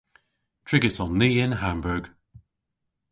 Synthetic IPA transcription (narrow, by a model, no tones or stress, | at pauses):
tʰɹ̥ɪɡəsɔnːiːɪ̃nɦãmbəɹɡ̥